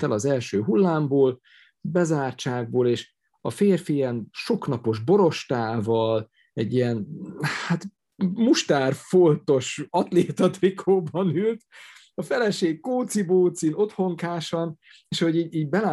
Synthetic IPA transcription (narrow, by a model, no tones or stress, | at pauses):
t̪ɛlɒzɛlʃøːɦulːaːmboːl | bɛzaːrt͡ʃaːɡ̚boːleːʃ | ɒfeːrfijɛnʃo̞knɒpo̞ʒbo̞ɾo̞ʃt̪aːvɒl | ɛɟːiɛnhat̪ | muʃt̪aːrfo̞nt̪o̞ʃɒt̪leːt̪ɒt̪rikʰoːbɒnylt̪ | ɒfɛlɛʃeːkkoːt̪siboːt̪sino̞t̪ho̞ŋkaːʃɒn | eːʃhoɟiːiːɟbɛla